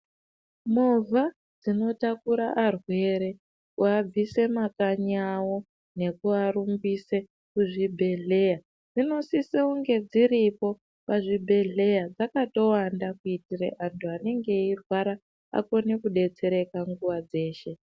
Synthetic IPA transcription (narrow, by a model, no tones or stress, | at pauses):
movʱa | d͡zino̞takuɾa̰ʔːrwe̞ːɾe̞ | uab͡vise̞makaɲawo̞ | ne̞kuaɾumbise̞ | kuʐibʱe̞ɮe̞ːja | d͡zino̞siseuŋɡe̞d͡ziɾipo̞ | paʐibʱe̞ɮe̞jad͡zakato̞wandakuitirḛʔantuane̞ŋɡe̞irwaɾa | a̰ko̞nekuɗe̞t͡se̞ɾe̞kaŋɡuʋad͡ze̞ːʃe̞